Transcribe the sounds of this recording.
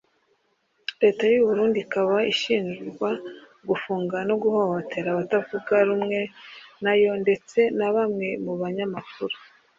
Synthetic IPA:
ɾe̞ːtajuβuɾuːndikaβaiʃiːnʒuɾɡwa | ɡufuːŋɡanoɡuho̞hotʰe̞ɾaβatavuɡaɾumŋe̞najo̞nde̞t͡se̞naβamŋe̞muβaɲamakuɾo

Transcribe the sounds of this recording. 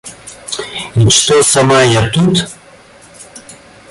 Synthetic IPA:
int͡ʃt̪osɐmajat̪ut̪

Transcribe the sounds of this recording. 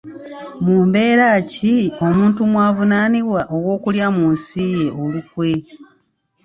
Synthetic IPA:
muːmbe̞ːɾaːcio̞muːntumwaːvunaːniβwaʔo̞wo̞ːkuljamuːnsije̞ʔo̞lukwe̞

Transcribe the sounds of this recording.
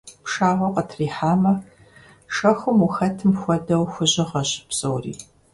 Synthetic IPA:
pʂaːʁʷɔqʼɐtʰriːħaːmɐ | ʂɐxʷʊmuxɐtʰɨmxʷɔdɐwxʷʊʑɪʁɐɕpsʼowrḭː

